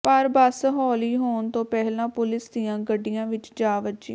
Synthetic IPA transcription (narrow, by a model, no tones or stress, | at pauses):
pəɾbəsɦɔːliːɦoːnt̪õːpɛɦlãːpʊlɪsd̪ijãːɡəɖijãːʋɪt͡ʃd͡ʒaːʋəd͡ʒḭ̃ː